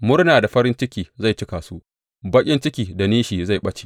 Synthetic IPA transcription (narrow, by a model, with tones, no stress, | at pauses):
mʊ˦rnaː˨da˨ɸɐ˦ɾɪ˦nt͡ʃɪ˦kʲiː˨za˦˨jt͡ʃɪ˦kaː˨su˦ʔ | bɐ˦kʲʼɪ˦nt͡ʃɪ˦kʲiː˨da˨niː˦ʃiː˨za˦˨jɓɐ˦t͡ʃe̥ː˨